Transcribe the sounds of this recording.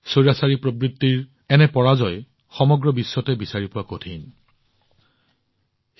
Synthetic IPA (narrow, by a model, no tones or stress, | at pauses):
soɹasaɹipɹobɹit̪ːiɹ | ɛnɛpɔɹazɔj | xɔmɔɡɹɔbisːɔtɛbisaɹipʊwakotʰin